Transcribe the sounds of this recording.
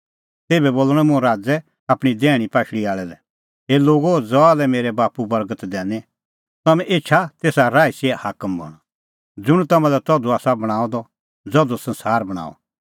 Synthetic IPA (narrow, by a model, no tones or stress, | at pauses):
t̪eːbɛboːlːɽ̃ɛ̃mʊ̃ɛɾaːd͡zɛ | aːpɽ̃id̪ɛːɽ̃ipaːʃɽiaːɭɛlɛ | eːloːɡod͡zɔalɛmeːɾɛbaːpubɐɾɡət̪d̪ɛ̃ːnɛ̃ | t̪ɐmɛ̃ʔet͡ʃʰat̪eːsaɾaːisiɛhaːkəmbʱɔ̰ɽ̃ɔ | d͡zʊɽ̃t̪ɐmãlɛt̪ɔd̪uaːsabɐɽ̃ãːɔd̪ɔ | d͡zɔd̪osɐ̃nsaːɾbɐɽ̃a̰ːɔ̰